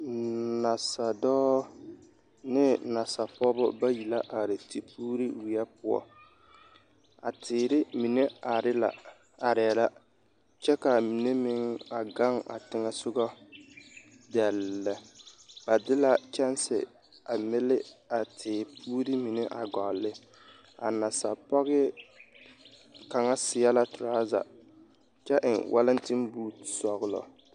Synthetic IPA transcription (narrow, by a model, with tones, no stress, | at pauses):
na˨sa˨dɔː˦ | nɪ˦na˨sa˨pɔ˦bʊ̰˦ba˦ji˨la˦ʔa˨ɾɪ˨tʰi˨pʰuː˦ɾi˦wi˨a˦pʊ˦ɔ̰˨ | a̰˨tʰɪː˨ɾɪ˦mi˨ne˦a˨ɾɪ˦la̰˨ | a˨ɾɛ˨ɛ˨la˦ | t͡ʃɛ˦ka˨mi˨ne˦mɪ˦ŋa˨ɡa˦ŋa̰˨tɪ˦ŋɛ˦sʊ˦ɡɔ˦ | dɛ˨lːɛ˨ba˨dɪ˦la˦t͡ʃɛ˦nsɪ̰˨ | a˨mɪ˦lɪ˦a˨tʰɪː˨pʰuː˦ɾi˦mi˨ne˦ʔa̰˨ɡɔ˨lːɪ˦ | a̰˨na˨sa˨pɔ˦ɣɪ˦ | ka˨ŋa˦sɪ˨a˦la˨tʊ˨ɾaː˦za̰˨ | t͡ʃɛ˦ʔɪ˨ŋwʔa˦lɪ˦ntɪ˦mbuː˦sɔ˨ɣlɔ̰˨